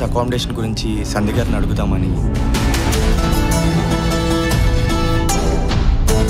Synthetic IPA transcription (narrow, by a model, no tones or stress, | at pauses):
ɐkaːmɖeːʂɐnɡuɾiɲt͡ʃi | sɐnd̪iɡaːɾnɐɽuɡut̪aːmɐni